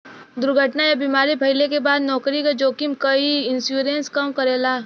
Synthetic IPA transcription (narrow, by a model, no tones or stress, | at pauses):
d̪ʊɾɡʱəʈnajabiːmaːɾibʱɐɪlekebaːd̪nɔːkɾikad͡ʒoːkimkɐiɪ̃nsjuːɾẽːnskɐmkɐɾeːlaː